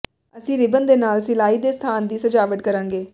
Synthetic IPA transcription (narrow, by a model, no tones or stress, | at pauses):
əsĩːɾɪbənd̪eːnaːlsɪlaːiːd̪eːst̪ʰaːnd̪iːsəd͡ʒaːʋəʈkəɾãːŋɡeː